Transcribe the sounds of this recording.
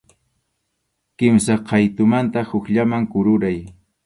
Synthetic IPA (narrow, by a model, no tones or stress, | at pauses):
kɪmsaqʰɑjt̪ʊmant̪ahʊkʎamaŋkʊɾʊɾaj